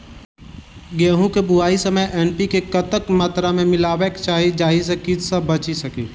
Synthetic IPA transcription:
ɡeːɦũkebʊaːisɐməjʔɛːnpikekɐt̪əkmaːt̪ɾamẽmɪlaːwekt͡ʃaːɦid͡ʒaːɦisekitsəbɐt͡ʃisɐkḭː

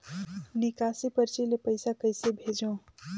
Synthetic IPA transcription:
nikasipəɾt͡ʃilepəɪsakəjsebʱed͡ʒũ

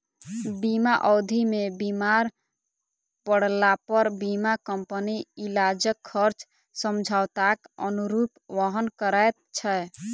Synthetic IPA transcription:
bimaʔɔwd̪ʱimebimaɾ | pəɽ̤lapəɾbimakəmpəniilad͡ʒəkʰːəɾt͡ʃ | səmd͡ʒʱaʊt̪akənuɾupʋəɦənkəɾajt̪̚t͡ʃʰɛ

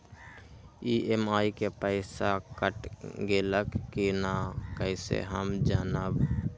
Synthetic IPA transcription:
iemaːikepəɪsakəʈɡeləkkinakəɪsḛɦəmd͡ʒanəb

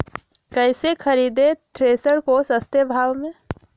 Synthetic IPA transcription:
kɛɪsekʰəɾiːd̪et̪ɾeːsəɾkosəst̪ebʱaːwmẽ

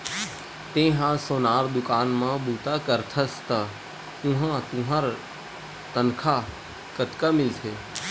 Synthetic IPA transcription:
t̪ẽːɦãsoːnaːɾd̪ʊkaːnmãbuːt̪akəɾt̪ʰəst̪a | ũɦãt̪ũɦaɾ | t̪ənkʰa | kət̪kamɪlt̪ʰeː

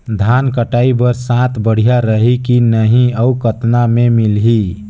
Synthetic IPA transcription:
d̪ʱankəʈaibəɾsãt̪ʰbəɽ̤ijaɾəɦikinəɦĩəukət̪namemilɦi

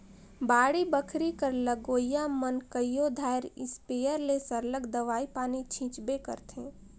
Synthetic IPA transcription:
baːɽibəkʰɾikəɾləɡoːjjamənkəjjod̪ʱaːɪɾɪ̰speːjəɾlesəɾləɡd̪əʋaːipaːnit͡ʃʰĩːt͡ʃbekə̰ɾt̪ʰẽː

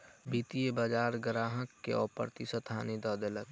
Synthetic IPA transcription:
biːt̪ijebad͡ʒaːɾɡɾaːɦəkːeɔ̰ːpə̰ɾt̪isət̪ʰaːnid̪ɔːd̪ələk

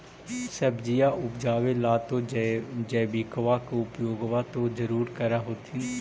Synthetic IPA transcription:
səbd͡ʒijaːʔʊpd͡ʒaːʋelaːt̪od͡ʒəːbiːkʋakeʊpjoːɡʋat̪ozɐɾuːɾkɐɾaɦoːt̪ʰĩː

